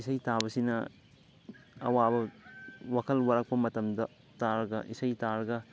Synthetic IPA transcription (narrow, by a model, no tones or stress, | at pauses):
isɐjtabɐsinɐ | ɐ̰wabɐwakʰɐlwɐɾak̚pɐmɐtɐmdɐ | taɾɐɡɐ̰ʔisɐjtaɾɐɡɐ